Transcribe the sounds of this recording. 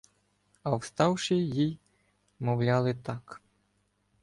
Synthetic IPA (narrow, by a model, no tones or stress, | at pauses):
ɐwst̪ɑwʃɪjij | mɔwlʲɑlˠɪt̪ɑk